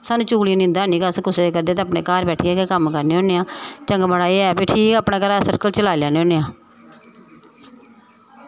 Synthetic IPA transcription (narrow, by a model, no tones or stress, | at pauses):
saːnũːt͡ʃuːliːnɪ̃nd̪aːniːkaːskʊseːeːkəɾd̪eːt̪ẽːəpneːkaːɾbɛːʈʰiːaːkeːkəmkəɾneːoːneːãːt͡ʃəŋɡbəɽaːiːɛːbiːʈʰiːkaːpɳẽːkəɾaːsəɾkəlt͡ʃəlaːljaːneõːneːãː